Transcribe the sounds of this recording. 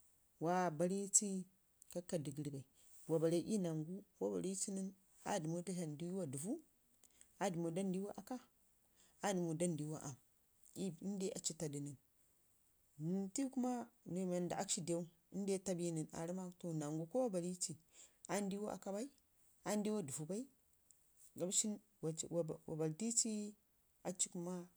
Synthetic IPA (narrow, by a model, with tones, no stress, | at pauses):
wa˦ba˨ɾi˦t͡si˦ | ka˦kːa˨di˨ɡi˨˦ɾi˦ba˨i˨ | wa˨ba˨ɾe˦ʔi˦na˨ŋɡu˦wa˦ba̰˨ɾi˦t͡ʃi˦ni˦n | a̰˦di˨mo˦ta˦ɦa˨ndi˦wa˦du˨vu˦ | a˦di˨mo˨da˦ndi˦a˦ʔa˨ka˦ | a˦di˨mu˨da˦ndi˨˦wa˦˨ʔa˨m | i˦i˦n˦de˦a˨t͡ʃi˦ta˨di˨ni˨n | ni˨nti˦ku˦ma˦nu˨ma˨nda˨a˦kʃi˦de˦u˦ | i˦n˦de˦ta˦bi˦ni˨na̰˨ɾi˦ma˦to˦na˨ŋɡu˨ko˦wa˦ba˨li˦t͡ʃi˨a˦n˦di˦wa˦ʔa̰˨ka˦ba˦i˦ | a˦n˦di˦wa˦du˨vu˨ba˦i˦ | ɡa˨m˦ʃi˦n | wa˨wwa̰˨ba˨lti˦t͡ʃi˦ | a˨t͡ʃi̥˦ku˦ma˦